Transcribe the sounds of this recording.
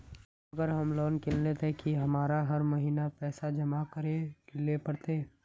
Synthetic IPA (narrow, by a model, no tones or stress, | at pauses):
ɐɡəɾɦɐmloːnkɪllet̪ekiɦɐmaːɾaɦɐɾmɐɦiːnapɛːsad͡ʒɐmakəɾekɪlepɐɽt̪eː